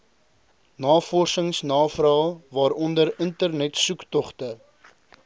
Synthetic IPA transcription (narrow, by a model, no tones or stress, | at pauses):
nɑːfɔrsəŋsnɑːfrɑːlˠvɑːɾɔndəɾəntərnɛtsuktɔχtə